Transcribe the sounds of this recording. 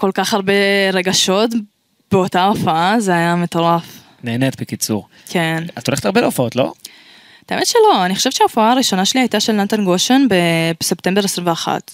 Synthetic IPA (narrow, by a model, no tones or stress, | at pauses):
ko̞lkaχhaʁbeʁe̞ɡaʃo̞t | b̥e̞o̞taofaazeajame̞t̪o̞ʁaf | neːnet̪bekit͡sṵʁ | kʰe̞nazt̪oleet̪aʁbeleofaotlo̞̰ | t̪aemet̪ʃelo̞aniχoʃe̞vt͡ʃʃeaofaaːʁiʃo̞naʃeliajtaʃe̞lnant̪anɡoʃenbebsept̪e̞mbe̞ʁesʁimveaχa̰t